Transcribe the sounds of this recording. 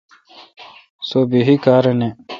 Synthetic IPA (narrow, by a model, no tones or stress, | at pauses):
soːbiɦikaːɾene